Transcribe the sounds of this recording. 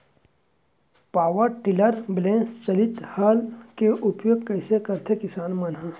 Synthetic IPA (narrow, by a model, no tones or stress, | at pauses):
paːʋəɾʈɪləɾblẽːnst͡ʃɐlɪt̪haːlkeʔʊpjoːɡ̚kɐːsekɐɾt̪ʰekɪsaːnmɐnɦə̃